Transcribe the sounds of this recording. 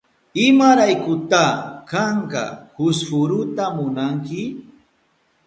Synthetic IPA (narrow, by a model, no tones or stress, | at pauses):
ɪmaɾajkʊt̪akaɴka̰hʊsfʊɾʊt̪amʊnaŋkɪ